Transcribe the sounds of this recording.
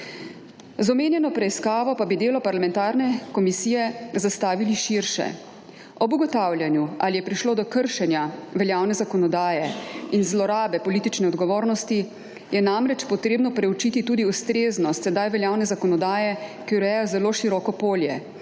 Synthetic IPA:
zɔmeːnjɛnɔpɾɛiskaːʋɔpabid̪eːlɔpaɾlamɛnt̪aːɾnɛkɔmisiːjɛzast̪aːʋiliʃiɾʃɛ̰ | ɔbuɡɔt̪awljanjualijɛpɾiʃloːd̪ɔkəɾʃɛnjaʋɛljaːwnɛzakɔnɔd̪aːjɛinzlɔɾaːbɛpɔliːt̪it͡ʃnɛɔd̪ɡɔʋoːɾnɔst̪i | jɛnamɾɛt͡ʃpɔt̪ɾeːbnɔpɾɛut͡ʃiːt̪it̪uːd̪iust̪ɾeːznɔst̪sɛd̪ajʋɛljaːwnɛzakɔnɔd̪aːjɛkiuɾɛjɔzɛloːʃiɾɔːkɔpoːljɛ̰

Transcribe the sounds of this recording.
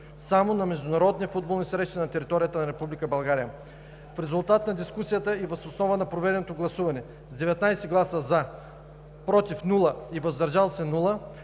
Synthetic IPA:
samonɐmɛʒd̪ʊnɐɾɔd̪niəfud̪̚bolˠnʲisɾɛʃt̪nnɐt̪ɛɾit̪ɔɾijət̪ənɐɾɛpublikəbɐlˠɡaɾijə | fɾɛzʊlˠt̪at̪nɐd̪iskusijət̪əivɐsosnɔvənɐpɾovɛd̪ɛnot̪oɡlˠɐsuvɐnɛ | zd̪ɛvɛt̪najsɛɡlˠasəza | pɾɔt̪ifnulˠəivɐzd̪ɐɾʒalˠsɛnulˠə

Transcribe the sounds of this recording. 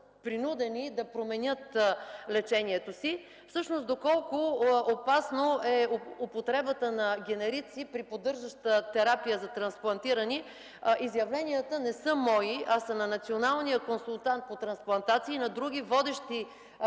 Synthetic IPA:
pɾinud̪ɛnid̪ɐpɾomɛnʲɤt̪lɛt͡ʃɛniɛt̪osi | fsɤʃnosd̪okɔlˠkʊopasnoɛopot̪ɾɛbət̪ənɐɡʲɛnɛɾit̪sipɾipod̪ɤɾʒəʃt̪ət̪ɛɾapijəzɐt̪ɾɐnsplˠɐnt̪iɾəni | ʔizjɐvlɛnijət̪ənɛsɤmɔiasəmnɐnɐt̪sionalˠnijəkonsulˠt̪ant̪̚pot̪ɾɐnsplˠɐnt̪at̪siːnɐd̪ɾuɡ̟ʲivɔd̪ɛʃt̪i

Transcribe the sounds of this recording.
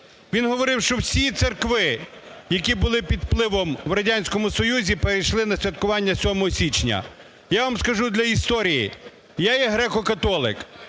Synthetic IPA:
ʋʲinɦɔʋɔɾɪwʃt͡ʃɔwsʲit̪serkʋɪjɐkʲibʊlˠɪpʲid̪plˠɪʋɔmwɾɐdʲanʲsʲkɔmʊsɔjuzʲipeɾejʃlˠɪnɐsʲʋʲɐt̪̚kʊʋɑnʲːɐsʲɔmɔɦɔsʲit͡ʃnʲɐ̰ | jaʋamskɐʒud̪lʲɐist̪ɔɾʲijḭ | jajɛɦɾɛkɔkɐt̪ɔlˠɪ̰k

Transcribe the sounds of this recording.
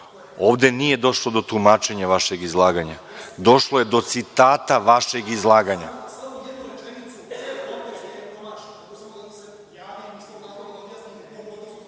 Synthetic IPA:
o̞ːʋd̪e̞nije̞d̪o̞ʃlˠo̞d̪o̞t̪umaːt͡ʃe̞ɲaʋaʃe̞ɡizlˠaːɡaɲa | d̪o̞ʃlˠoje̞d̪o̞t̪sit̪aːt̪aʋaʃe̞ɡizlˠaːɡaɲa

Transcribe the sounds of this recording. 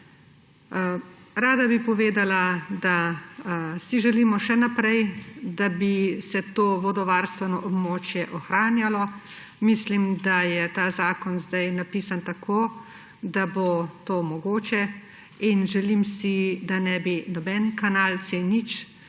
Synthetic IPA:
ɾaːd̪abipɔʋeːd̪alad̪a | siʒɛlimɔʃɛnapɾɛjd̪abisɛt̪oːʋɔd̪ɔʋaɾst̪ʋɛnɔʔɔbmoːt͡ʃjɛʔɔxɾaːnjalɔ | mislimd̪ajɛt̪aːzaːkɔnzd̪ajnapiːsant̪akʰoː | d̪abot̪oːmɔɡoːt͡ʃɛ | inʒɛlimsid̪anɛbinɔbɛnkanalt̪senit͡ʃ

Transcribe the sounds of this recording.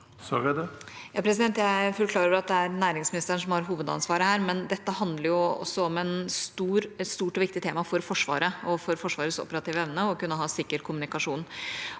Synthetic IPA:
sɑ̰ːɡæd̪ɛ | jɑːpʰɾɛs̬ɪd̪ɛnt̪jæɪfɔlkʰlɑːɾəɾɑt̪̚d̪ɛæɾnæːɾɪŋsmɪnɪst̪əəɳ̩ʂɔmhɑɾɦuːʋəd̪ɑ̰nsʋɑːɾəhæːɾmɛnd̪ɛt̪ːəɦɑnd̪ləɾjʊɔ̰sːɔɔmɛnst̪uːɾst̪uːʈɔʋɪkt̪ɪt̪ʰeːmɑfɔɾfɔʂʋɑ̰ːɾəɔfɔɾfɔʂʋɑːɾəsɔ̰pːəɾɑt̪ʰiːʋəɛʋnəɔkʉnːəɦɑːsɪkːəɾkʰʊmʉnɪkɑʂuːn

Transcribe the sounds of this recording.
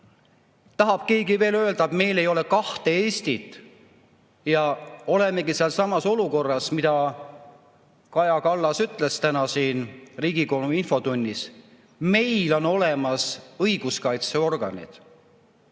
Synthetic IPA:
t̪ɑɦɑb̥̚ke̞ːɡive̞ːlø̞ːld̪̥ɑt̪me̞jle̞jo̞le̞kɑht̪e̞eːst̪it̪ːˑ | jɑo̞le̞me̞ɡiseɑlsɑmɑso̞luko̞rːɑsmid̪̥ɑ | kɑjɑkɑlːɑsyt̪ˑle̞st̪ænɑsiːnriːɡ̥ikonuinfo̞d̪unʲːis | me̞jlo̞no̞le̞mɑsɤjɡ̥uskɑjt̪se̞o̞rɡ̥ɑnʲḭd̪̥

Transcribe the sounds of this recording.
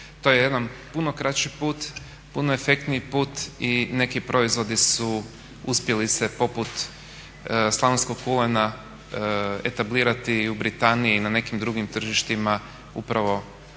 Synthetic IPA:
t̪o̞jeje̞d̪anpuno̞kɾat͡ʃipuːt̪ | punoefe̞kt̪niipuːt̪ine̞kipɾʔo̞izʋo̞d̪isu | uspje̞lise̞po̞put̪ | slˠaʋensko̞ɡkulena | e̞̰t̪abliːɾat̪iubɾit̪aniiːnane̞kimd̪ɾuɡimt̪r̩ʒiʃt̪ima | ṵpɾaʋo̞

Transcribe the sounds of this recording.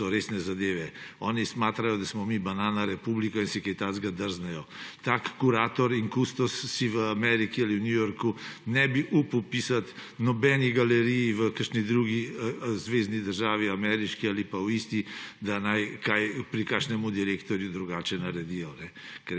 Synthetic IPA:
sɔɾeːsnɛzad̪eːʋɛɔːnismaːt̪ɾajɔd̪asmɔmibanaːnaɾɛpublikɔinsɛkɛjt̪azɡad̪əɾznɛjɔt̪akːuɾaːt̪ɔɾiŋkust̪ɔsːiʋəamɛɾikialiwnʲjujoɾkunɛbiʔupwpiːsat̪nɔbɛniɡalɛɾijiʋəkəɾʃnid̪ɾuɡizʋeznid̪əɾʒaːʋiamɛɾiʃkialipawist̪id̪anajkajpɾikaʃnɛmud̪iɾeːkt̪ɔɾjud̪ɾuɡaːt͡ʃɛnaɾɛd̪ijɔnɛkɛɾ

